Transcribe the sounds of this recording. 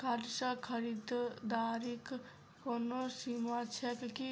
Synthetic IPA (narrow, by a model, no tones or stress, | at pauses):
kaɾʃakʰəɾid̪d̪aːɾik | konosimat͡ʃʰɛkki